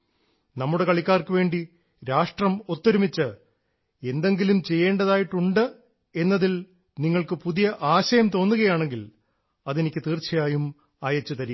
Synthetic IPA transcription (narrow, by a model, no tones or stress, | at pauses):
nɐmːuɽe̞kɐɭikʲːaːrkɨʋe̞ːɳɖi | ɾaːʂʈrɐmo̞t̪ːɐɾumit͡ɕːɨ | e̞nd̪e̞ŋɡilumt͡ɕe̞jːe̞ːɳɖɐðaːjiʈːuɳɖɨ | e̞nːɐðil | niŋːɐɭkɨpuðijɐʔaːɕɐjɐmt̪o̞ːnːuɣɐjaːɳe̞ŋɡil | ɐðenikʲːɨt̪iːrt͡ɕɐjaːjum | aːjɐt͡ɕːut̪ɐɾij